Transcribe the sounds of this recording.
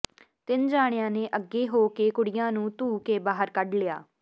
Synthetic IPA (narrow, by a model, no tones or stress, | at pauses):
t̪ɪnd͡ʒaːɽ̃jãːneːʔəɡːeːɦoːkeːkʊɽɪjãːnũːt̪uːkeːbaːɦəɾkəɖlɪja̰ː